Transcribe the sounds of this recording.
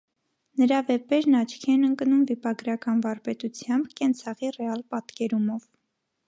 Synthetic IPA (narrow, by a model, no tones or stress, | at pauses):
nəɾɑvɛpɛɾnɑt͡ʃʰkʰiɛnəŋknumvipɑɡɾɑkɑnvɑɾpɛt̪ut͡sʰjɑmbkɛnt͡sʰɑʁirɛɑlpɑt̪kɛɾumɔv